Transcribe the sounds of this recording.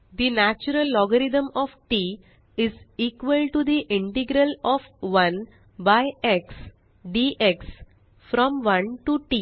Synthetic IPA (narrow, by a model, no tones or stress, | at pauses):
d̪inæt͡ʃuɾəlːɔɡəɾid̪ə̃mɔːʋʈi | ɪziːkʋəlʈud̪iʔɪ̃ɳʈɪɡɾəlɔfʋʌ̃n | baɪeks | ɖiʔeks | fɾɔ̃mʋʌ̃nʈuʈi